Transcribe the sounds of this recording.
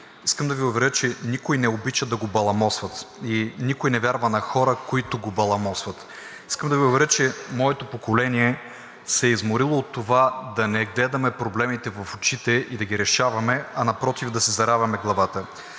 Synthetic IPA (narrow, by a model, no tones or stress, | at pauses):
iskəmd̪ɐviʊvɛɾʲət͡ʃɛnikojnɛobit͡ʃɐd̪ɐɡobɐlˠɐmɔsvɐt̪inikʊjnɛvʲjaɾvɐnɐxɔɾəkoit̪oɡobɐlˠɐmɔsvɐt̪ | iskəmd̪ɐviʊvɛɾʲət͡ʃɛmɔɛt̪opokolɛniɛ | sɛizmoɾilˠoːt̪ːovad̪ɐnɛɡlɛd̪ɐmɛpɾoblɛmit̪ɛvɐfot͡ʃit̪ɛʔid̪ɐɡiɾɛʃavɐmɛɐnɐpɾɔt̪ivd̪ɐsɛzɐɾavɐmɛɡlˠɐvat̪ə